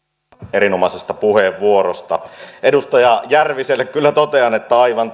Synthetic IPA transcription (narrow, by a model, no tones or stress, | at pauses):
eɾinomɑsest̪ɑpuheʋːuorost̪ɑ̰ʔedust̪ɑjɑjærʋiselːekkylːæt̪ot̪eɑnet̪ːæɑiʋɑn